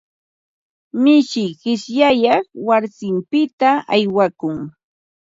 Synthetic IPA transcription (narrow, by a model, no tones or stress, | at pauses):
mɪʃɪjɢɪʃjajɑχwaɾsɪmpɪt̪aajwakʊŋ